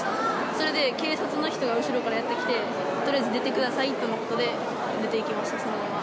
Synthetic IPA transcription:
so̞ɾe̞d̪e̞ke̞ːsat͡sɨnoçi̥t̪o̞ɡaɯ̟ɕiɾo̞kaɾajat̪ːe̞kʲi̥t̪e̞ | t̪oɾiazɨd̪e̞t̪e̞kɯ̟d̪asait̪ːonoko̞t̪o̞d̪e̞ | d̪e̞t̪e̞ikʲimaɕi̥t̪asne

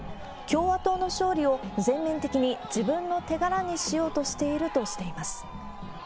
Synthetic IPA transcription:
kʲo̞ːβat̪o̞ːno̞ɕo̞ːɾʲio̞zẽ̞mːẽ̞nt̪e̞kʲiɲ̟id͡ʑibɯ̟̃nːo̞t̪e̞ɡaɾaɲ̟iɕijo̞ːt̪o̞ɕi̥t̪e̞iɾɯ̟t̪o̞ɕi̥t̪e̞imasɨ̥

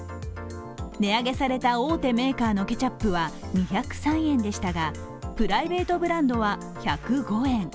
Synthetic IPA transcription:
ne̞aɡe̞saɾe̞t̪ao̞ːt̪e̞me̞ːkaːno̞ke̞t͡ɕapːɯ̟βa | ɲ̟içakɯ̟̥sãɰ̃ẽ̞nd̪e̞ɕi̥t̪aɡa | pɯ̟ɾaibe̞ːt̪o̞bɯ̟ɾãnd̪o̞βa | çakɯ̟ɡo̞ẽ̞ŋ

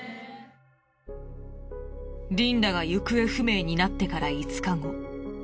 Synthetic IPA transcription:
ɾʲĩnd̪aɡajɯkɯ̟e̞ɸɯ̟me̞ːɲ̟inat̪ːe̞kaɾait͡sɨ̥kaŋo̞

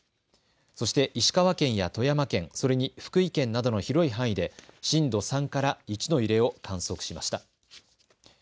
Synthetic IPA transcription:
so̞ɕi̥t̪e̞ʔiɕi̥kaβakẽ̞ɰ̃jat̪o̞jamakẽ̞ŋso̞ɾe̞ɲ̟iɸɯ̥kɯ̟ikẽ̞nːad̪o̞no̞çiɾo̞iɦãɰ̃id̪e̞ɕĩnd̪o̞sãŋkaɾait͡ɕino̞iɾe̞o̞kãɰ̃so̞kɯ̟̥ɕimaɕi̥t̪a

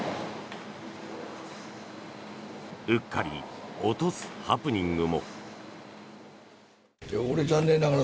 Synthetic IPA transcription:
ɯ̟kːaɾʲḭot̪osɨ̥hapɯ̟ɲ̟ĩŋɡɯ̟mo̞ | eoɾed͡ʑãnːe̞nːaɡaɾa

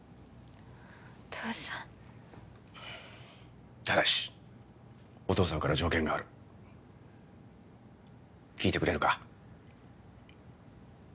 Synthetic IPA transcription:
t̪ʰoːsã | t̪ad̪aɕi̥ | o̞t̪o̞ːsãŋkaɾad͡ʑo̞ːkẽ̞ŋɡaːɾɯ̟ | kʲiːt̪e̞kɯ̟ɾe̞ɾɯ̟ka

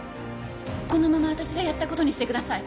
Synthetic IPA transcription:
ko̞no̞mamaβat̪aɕiɡajat̪ːako̞t̪o̞ɲ̟iɕi̥t̪e̞kɯd̪asai

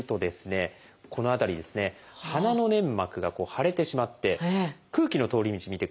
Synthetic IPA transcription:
t̪o̞d̪e̞sɨne̞ | ko̞no̞at̪aɾʲid̪e̞sɨne̞ | hanano̞nẽ̞mːakɯ̟ɡako̞ːhaɾe̞t̪e̞ɕimat̪ːe̞kɯ̟ːkʲino̞t̪o̞ːɾʲimʲit͡ɕimʲit̪e̞

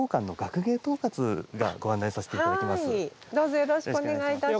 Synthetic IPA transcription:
oːkãnːo̞ɡakɯ̟ɡe̞ːt̪o̞ːkat͡sɨɡa̰ɡo̞ãnːaisase̥teadakemasɨid̪oːzojo̞ɾo̞ɕi̥kkɯone̞ɡait̪a

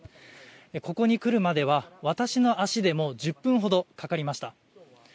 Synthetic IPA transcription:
eko̞ko̞ɲ̟ikɯ̟ɾɯ̟mad̪e̞β̞aβat̪aɕino̞ʔaɕid̪e̞mo̞d͡ʑɨpːɯ̟̃ɰ̃ɦo̞d̪o̞kakaɾʲimaɕi̥t̪a

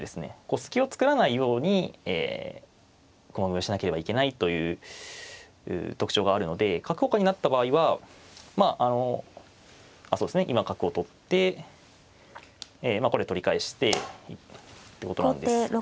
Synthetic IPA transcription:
d̪e̞sɨne̞̰ko̞sɨ̥kʲio̞t͡sɨ̥kɯ̟ɾanaijo̞ːɲ̟iḛː | komaɡɯ̟ioɕinake̞ɾe̞baike̞nait̪o̞jɯ̟ː | ɯ̟̰ːt̪o̞kɯ̟̥t͡ɕo̞ːɡaːɾɯ̟no̞d̪e̞kakɯ̟ho̞kaɲ̟inat̪ːabaːiβamaʔano̞ | asoːd̪esɨneʔimakakɯ̟o̞t̪o̞t̪ːe̞ | mako̞ɾe̞t̪o̞ɾʲikae̞ɕi̥t̪e̞it̪ːeko̞t̪oñ̰nd̪e

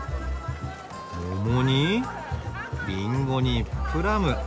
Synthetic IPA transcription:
momoɲi | minɡoɲipʰɯɾamɯ

